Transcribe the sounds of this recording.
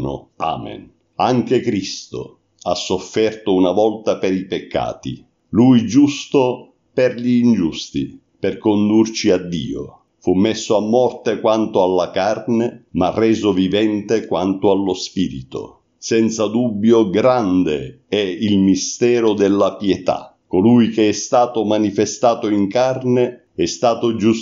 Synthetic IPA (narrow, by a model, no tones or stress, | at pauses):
nʊ̰a̰ːmḛn | aŋk̟ekɾist̪o̰ | asːofːɛrt̪ʊunavɔlt̪apeɾipekʰːa̰ːt̪ḭ | lujd͡ʒust̪o | pɛrʎiːnd͡ʒust̪ḭ | perkond̪urt͡ʃiad̪ːḭːo̰ | fumːesːoamːɔrt̪ekwant̪ʊalːakarnemarːɛːzʊvivɛnt̪ekwant̪ʊalːospiːɾḭt̪o̰ | sɛnt̪sad̪ubːjoɡɾand̪e | ɛilmist̪ɛːɾʊd̪ɛlːapjɛt̪a̰ | kolujkeɛst̪aːt̪ʊmanifest̪aːt̪ʊiŋkarne | ɛst̪aːt̪ʊd͡ʒus